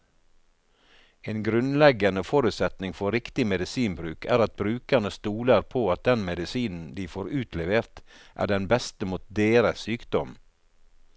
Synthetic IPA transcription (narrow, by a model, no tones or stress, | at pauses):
eːnɡɾʉnlɛɡɑnəfoɾʉt̪sɛt̪nɪŋfɔɾɪkt̪ɪmɛd̪ɪsiːnbɾʉːkʰæːɾɑt̪̚bɾʉːkəɳəst̪uːləɾpʰoːɑt̪̚d̪ɛnmɛd̪ɪsiːnn̩d̪iːfoːɾʉːt̪lɛʋeːɾt̪ʔæ̰ːɖɛnbɛst̪əmuːt̪̚d̪eːɾəssyːkd̪ɔm